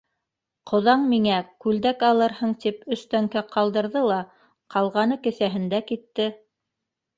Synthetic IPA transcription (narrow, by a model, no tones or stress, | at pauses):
qʰŏðɑɴmiŋækʉld̪ækɑlˠɤɾhɤɴt̪ipɵ̆st̪æŋkæqʰɑlˠd̪ɤ̆ɾðɤlˠɑ | qʰɑlˠʁɑnɤkɘ̆θæɦɘ̆nd̪ækit̪ːɘ